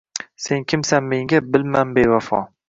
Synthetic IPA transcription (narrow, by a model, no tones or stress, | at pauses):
se̞ŋkʲʰɪmsanme̞ŋɡʲabɪlmanbevafɒ̰